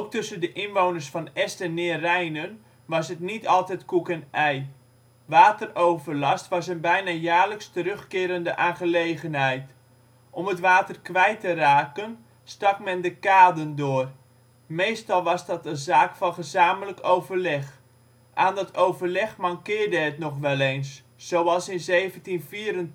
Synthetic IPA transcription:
owk̚tɵsəndəʔɪnʋoːwnərsfɑnɛstɛnːɪːrɛjnən | ʋɑsətnitɑlˠtɛjtkukənɛj | ʋaːtərowvərlɑstʋɑsənbɛjnajaːrləkstəɾøxkɪːɾəndəʔaːnχəlejɣənɦɛjt | ʔɔmətʋaːtərkʋɛjtəraːkən | stɑkmɛndəkaːdəndʊːr | mejstɑlˠʋɑsdɑtəzaːkfɑnχəzaːmələkowvərlɛχ | ʔaːndɔtʰowvərlɛχmaŋkɪːrdəətnɔχʋɛlˠeːnsː | owɑlˠsɪnzeːvəntinfiːɾən

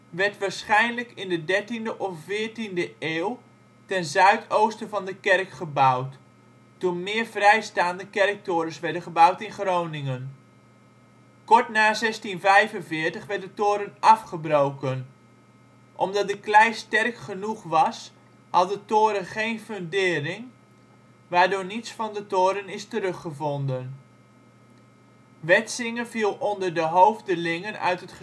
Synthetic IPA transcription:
ʋɛɹtʋaːɹsχɛjnləkɪndədɛɹtindəʔɔffɪːɹtindəʔeːl | tɛnzœɥtowstəvɑndəkɛrkχəbawt | tunmɪːɹvrɛjstaːndəkɛrk̚tʊːɾəsʋɛɹdənχəbawtɪnχrownɪŋən | kɔɹtnaːzɛstinvɛjvənvɪːɹtəχʋɛɹt̚dətoːɾənɑfχəbrowkən | ʔɔmdɑt̚dəklɛjstɛrkχənuχʋɑs | hɑdəntoːɾənχejnføndɪːrɪŋ | ʋaːɹdʊːnitsfɑndətoːɾənɪstəɾɵχəvɔndən | ʋɛtsɪŋəvilˠɔndərdəɦowvdəlɪŋənœ̰ɥtətχə

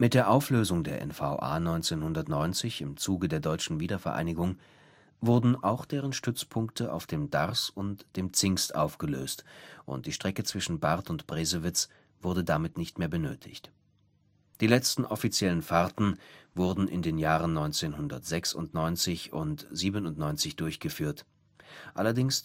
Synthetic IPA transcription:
mɪt̚d̥eːɐʔaʊfløːzʊŋdeːɐʔɛ̰nfa̰ʊʔa̰ːnɔʏnt͡seːnhʊndɐtnɔʏnt͡sɪçɪmt͡suːɡədeːɐdɔʏt͡ʃn̩viːdɐfɛɐʔa̰ɪnɪɡʊŋ | vʊɐdn̩ʔaʊxd̥eːʁ̞ənʃtʏt͡spʰʊŋktʰəʔa̰ʊfd̥eːmda̰ʁsʊntd̥eːmt͡sɪŋstʔaʊfɡ̥əløːstʔʊ̰nt̚d̥iːʃtʁ̥ɛkət͡sv̥ɪʃn̩baʁtʊntb̥ʁeːzəvɪt͡s | v̥ʊɐdədamɪtnɪçtmeːɐbənøːtʰɪ̰çt | d̥iːlɛt͡stn̩ʔɔfit͡sjɛlənfaɐtn̩vʊɐdn̩ʔɪ̰ndeːnjaːʁ̞ənnːɔʏnt͡seːnhʊndɐtz̥ɛksʊ̰ntnɔʏnt͡sɪçʊ̰ntz̥iːbənʊntnɔʏnt͡sɪçd̥ʊɐçɡ̥əfyːɐt | ʔalɐdɪŋs

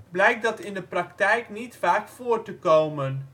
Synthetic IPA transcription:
blɛjk̚dɑtɪndəprɑktɛjknitfaːkfʊːrtəkowmən

